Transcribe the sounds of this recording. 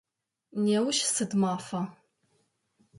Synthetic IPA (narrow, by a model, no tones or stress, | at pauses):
neːwʃsɨdmaːfɐ